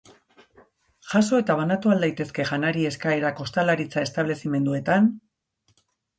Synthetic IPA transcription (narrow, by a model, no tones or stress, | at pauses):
ʝaso̞e̞t̪aβ̞anat̪uald̪ajt̪e̞ske̞ʝanaɾie̞skaeɾako̞st̪alaɾit͡sae̞st̪aβ̞le̞sime̞nd̪ue̞t̪an